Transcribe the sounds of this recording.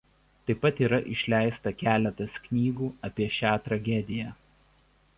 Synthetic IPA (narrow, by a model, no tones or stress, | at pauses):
t̪ɐɪpːɐt̪iːɾɐʔɪʃʲlʲæˑɪst̪ɐkʲæːlʲɛt̪ɐsknʲiːɡuːɐpʲiɛʃʲæːt̪ɾɐɡʲɛd̪ʲɪjæ